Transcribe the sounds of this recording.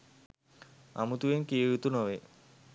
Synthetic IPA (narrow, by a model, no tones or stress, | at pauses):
a̰mut̪uʋeŋkijeut̪unoʋe